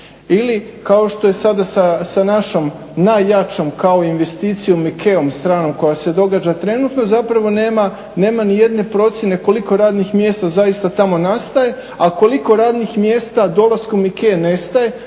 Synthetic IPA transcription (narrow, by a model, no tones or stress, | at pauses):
ilikao̞ʃt̪o̞je̞sad̪asasanaʃo̞m | najːat͡ʃo̞mkao̞inʋe̞st̪iːt̪sijumikʰeomst̪ɾaːno̞mko̞jase̞d̪o̞ɡad͡ʒat̪ɾe̞nut̪no̞zapɾaʋo̞neːma | ne̞ːmanije̞d̪ne̞pɾo̞t̪sjene̞ko̞liko̞ɾaːd̪nixmje̞ːst̪azajist̪at̪amo̞nast̪aje̞ | ako̞liko̞ɾaːd̪nixmjeːst̪ad̪o̞lˠaskumikene̞st̪aje̞